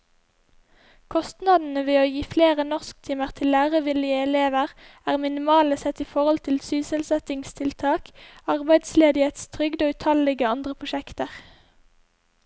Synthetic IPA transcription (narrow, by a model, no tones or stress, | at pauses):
kʰɔst̪nɑd̪n̩əʋeːoːjiːfleːʁənɔʁsk̚t̪ʰiːməʁt̪ʰɪlːæːʁəʋɪljəɛleːʋəʁæːʁmɪnɪmɑːləsɛt̪iːfɔʁɔlt̪ʰɪlsyːsəlsɛt̪ɪŋst̪ʰɪlt̪ʰɑːkɑʁbæɪd̪sleːd̪ɪheːt̪st̪ʰʁʏɡd̪oːʉt̪ʰɑlɪɡəɑnd̪ʁəpʰʁʊʃɛkt̪əʁ